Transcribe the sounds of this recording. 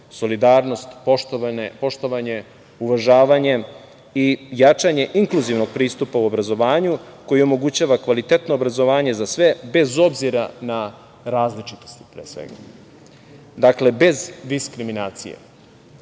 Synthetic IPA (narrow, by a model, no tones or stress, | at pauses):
so̞lid̪aːɾno̞st̪popo̞ʃt̪o̞ʋaɲe̞ | uʋaʒaːʋaɲe̞ | ijat͡ʂaɲe̞ʔiŋklˠuziʋno̞ɡ̚pɾiːst̪upauo̞bɾazo̞ʋaːɲuko̞jio̞mo̞ɡut͡ɕaːʋakʋalit̪et̪no̞ːbɾazo̞ʋaːɲe̞zasʋe̞be̞zo̞bziɾana | ɾaːzlit͡ʃit̪o̞̥st̪i̥pɾeːsʋḛɡa̰ | d̪akle̞be̞zd̪iskɾiminaːt̪sḭjḛ